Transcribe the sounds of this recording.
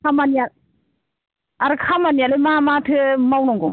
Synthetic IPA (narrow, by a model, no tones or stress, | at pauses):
kʰamanja | aɾɯkʰamanijalemamatʰɯmawnɔŋɡum